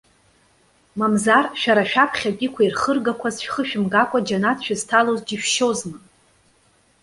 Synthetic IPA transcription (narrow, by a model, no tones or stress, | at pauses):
mamzarʃᶣaɾaʃᶣapʰχʲakʲʼɪkʷʰairχərɡakʷʰazʃᶣχəʃᶣɪmɡakʷʼad͡ʒanatʰʃᶣaztʰalozd͡ʒiʃᶣʃozmɨ